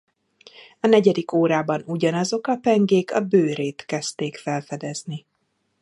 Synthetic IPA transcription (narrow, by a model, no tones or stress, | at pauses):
ɒnɛɟɛd̪ikoːɾaːbɒnuɟɒnɒzo̞kɒpɛŋɡeːkɒbøːɾeːt̪kɛst̪eːkfɛlfɛd̪ɛzni